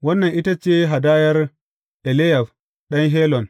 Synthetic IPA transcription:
wɐ˦nːɐ˨nʔi˦ta˦t͡ʃeː˦ɦa˨daː˦jɐ˦ɾ | ʔɛ˨le˦ja˨f | ɗɐ˦nɦe˦lɔ˨n

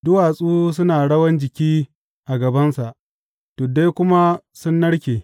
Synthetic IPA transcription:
dʊ˦waː˨sʼuː˦s̬ʊ˦naː˨ɽɐ˦wɐ˦nd͡ʒɪ˨kʲiː˦ | ʔa˨ɡɐ˨bɐ˦nsa˨ʔ | to˨de˦jkʷʊ˦ma˦sʊ˦nːɐ˦ɽkʲeː˨

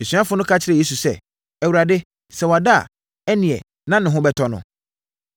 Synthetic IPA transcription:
e˨sɥa˦fʊ˦nʊ̃˦kʰa˦t͡ɕʰɪ˦ɾɛ˨e˦su˨sɛ̰˦ | ɛ˨wu˨ɾa˨dɪ˦ | sɛ˨wɔ˨a˨da˦˨ | ɛ˦nɪ̃˨ɛ̰˨ | nã˦nʊ̃˨ɦʊ̃˦bɛ˦tʰɔ˦nʊ̰̃˦

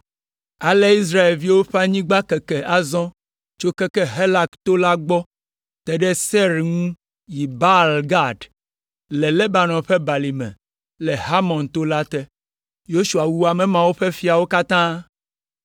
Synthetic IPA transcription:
a˨le˦i˦s̬ɾa˦e˨lvi˦wo˦ɸe˦a˦ɲĩ˦ɡ͡ba˦kɛ˨kɛ˨ʔa˨zɔ̃˦ | t͡ʃo˦kɛ˦kɛ˦ɦe˦la˦kt̪o˦la˦ɡ͡bɔ˦ | t̪ɛ˨ɖɛ˦sɛ˦ɾŋũ˦ | ji˨ba˦lɡa˦˨ɖ | lɛ˨lɛ˦ba˨nɔ̃˨ɸe˦ba˨li˨mɛ̰̃˨ | lɛ˨ɦa˦mɔ̃˨nt̪o˦la˦t̪ɛ˦ | jo˦ʃu˨a˨wu˦a˨mɛ̃˨mã˨wo˦ɸe˦fi˦a˨wo˦ka˦t̪ã˦

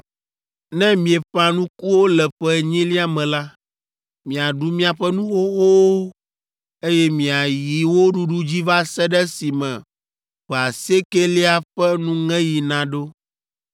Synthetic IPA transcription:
nɛ̃˦mĩ˨ɛ˨ɸa˨nũ˦ku˦wo˦lɛ˨ɸɛ˦˨ɲĩ˦li˦a˨mɛ̃˨la˦ | mĩ˨a˨ɖu˦mĩ˦a˨ɸɛ˦nũ˦xo˦xo˦o˦ | e˦jɛ˦mĩ˨a˨ji˨wo˦ɖu˦ɖu˦d͡ʑi˦va˦sɛ˦ɖɛ˦si˨mɛ̃˨ | ɸa˨se˦ke˦li˦a˨ɸɛ˦nũ˦ŋɛ̃˦ji˨nã˨ɖo˦

